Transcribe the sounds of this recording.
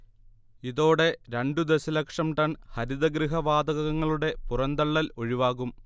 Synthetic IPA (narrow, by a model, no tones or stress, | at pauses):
iðo̞ːɽe̞ɾeɳɖud̪esɐlɐkʂɐmʈɐɳhɐɾid̪ɐɡɾiɦɐʋaːd̪ɐɣɐɣɐŋːɐɭuɽe̞purɐnd̪ɐɭːɐlo̞ɻiʋaːɣum